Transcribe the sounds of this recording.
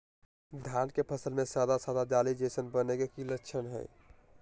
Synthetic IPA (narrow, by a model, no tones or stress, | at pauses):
d̪ʱjankepʰəsəlmẽsad̪asad̪ad͡ʒalid͡ʒesənbənekekiləkːt͡ʃʰənɦɛ̰ɪ